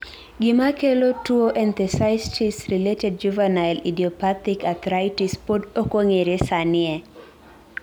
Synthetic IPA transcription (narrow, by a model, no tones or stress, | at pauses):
ɡɪmakelotuoʔɛnt̪ɛsaɪstisɾiletɛd̚d͡ʒuvanalidiɔpat̪ikat̪ɾaɪtispodokoŋeɾesanɪɛ